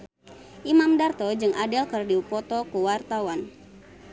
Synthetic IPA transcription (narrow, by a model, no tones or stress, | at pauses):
ʔimamdart̪ɔd͡ʒɨŋʔadɛlkɨrdiupɔt̪ɔkuwart̪awan